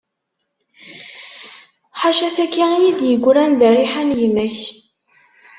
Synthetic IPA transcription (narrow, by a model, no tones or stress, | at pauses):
ħaʃæθækːiijid̪jəɡʷːɾænðæriħanjmæç